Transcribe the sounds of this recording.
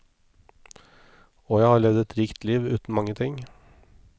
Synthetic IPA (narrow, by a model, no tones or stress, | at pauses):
oːjæɪhɑːɭɛʋd̪əɛt̪ɾiːkt̪liːʋʉ̰ːt̪n̩mɑŋːət̪ʰɪŋ